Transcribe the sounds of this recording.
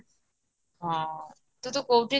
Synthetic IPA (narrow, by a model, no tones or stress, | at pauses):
ɦã | t̪ot̪okowʈi